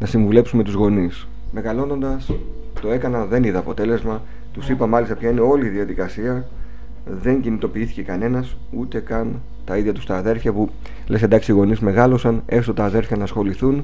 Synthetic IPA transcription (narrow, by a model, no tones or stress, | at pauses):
nɐsiɱvule̞psume̞t̪uzɣo̞nis | me̞ɣɐlo̞no̞nd̪ɐs | t̪o̞e̞kɐnɐðe̞niðɐːpo̞t̪e̞le̞zmɐ | t̪usipɐmɐlist̪ɐpçɐineo̞liðiɐðikɐsiɐ | ðe̞ɲɟinit̪o̞piiθi̥ce̞kɐne̞nɐs | ut̪e̞kɐn | t̪ɐiðʝɐt̪u̥st̪ɐːðe̞ɾfçɐpu | le̞send̪ɐksiiɣo̞nizme̞ɣɐlo̞sɐne̞st̪ot̪ɐːðe̞ɾfçɐnɐːsxo̞liθun